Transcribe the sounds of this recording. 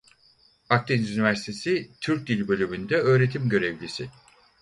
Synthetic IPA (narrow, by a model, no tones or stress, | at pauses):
ak̚t̪ʰinzynivæɾsi̥t̪ʰe̞sit̪ʰyɾc̚d̪ilʲbø̞lʲymynd̪ɛø̞ːɾe̞t̪ʰimɟø̞ɾevlʲisɪ